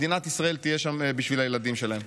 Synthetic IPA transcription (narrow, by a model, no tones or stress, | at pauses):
d̪inat̪isʁae̞lt̪ijeʃamebiʃvilajelad̪imʃe̞laem